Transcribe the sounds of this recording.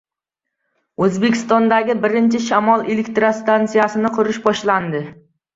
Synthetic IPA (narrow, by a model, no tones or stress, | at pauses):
ɵzbe̞kʲʰɪ̥st̪ɒnd̪aɡʲɪbɪɾɪnt͡ʃʰɪʃamɒlˠelekʲt̪ɾast̪ant̪sijasɪnɪqʰʊɾɪʃbɒʃland̪ɪ